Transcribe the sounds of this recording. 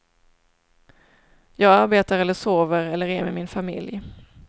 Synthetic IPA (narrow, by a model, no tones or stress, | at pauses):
jɑːɡaɾbeːt̪aɾɛlːəʂoːvəɾɛlːəɾɛɾmɛ̰mɪnfamɪ̰lj